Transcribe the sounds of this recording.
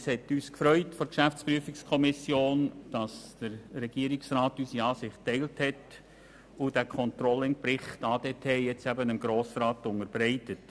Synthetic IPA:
shɛtyːskfɾœʏtfɔɾkʃæft͡spɾyəfikskʰɔmɪsjoːnd̥ɑsd̥əɾːɛɡ̥iːəɾɪksrɑːtysiɑːsɪχtːɛɪlthɛt | ʊd̥ækʰɔntɾɔlːɪn̚pɾɪχtɑːd̥etʰɛːjɛt͡sæbənəmɡɾoːsrɑːtʊnəɾb̥ɾɛɪtət

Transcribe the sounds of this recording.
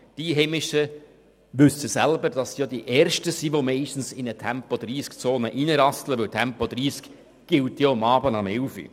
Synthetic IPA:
d̥iɦɛmɪʃə | ʋʏsəsælbəɾd̥ɑsjodiʔɛːɾʃtəsiʋomɛɪʃtn̩sɪnətʰɛmpɔd̪ɾiːskt͡soːnəʔinəɾɑstləʋɪwtʰɛmpɔd̥̪ɾiːsk | ɡ̥ɪltjɔɑmɑːbənɑmɛwfḭ

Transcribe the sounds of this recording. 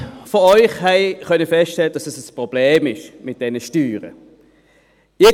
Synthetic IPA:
fɔɔʏχhɛɪχœnəfɛstʃtɛləd̥ɑsɛsəspʁɔb̥leːmɪʃmɪt̚d̥ɛnəʃtyːʁə̰ | ɪ

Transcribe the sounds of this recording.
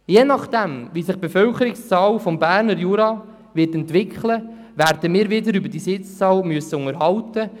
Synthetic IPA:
jeːnɑχd̥̪ɛmʋisɪχb̥efœlkəɾɪkst͡sɑːlfɔmbæːɾnəɾjuɾɑ | ʋɪtɛntʋɪkχlə | ʋæɾdəmiːɾʋɪdəɾybəd̥isɪt͡st͡sɑːlmyəsːəʊŋəɾɦɑltə

